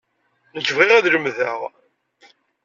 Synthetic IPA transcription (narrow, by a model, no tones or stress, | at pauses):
nəd͡ʒːvʁiʁæðləmðæʁ